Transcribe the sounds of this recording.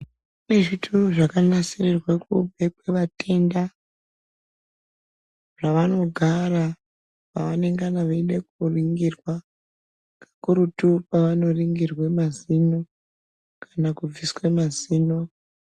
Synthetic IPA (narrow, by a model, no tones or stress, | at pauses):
kuneʐitʰoʐakanasirerwakubʱekweʋate̞nda | ʐ̥aʋano̞ɡʱaɾa | paʋane̞ŋɡanaʋeiɗekuriŋɡirwa | kḁkuɾutupaʋano̞riŋɡirwemazino | kʰḁnakub͡viswemaziːno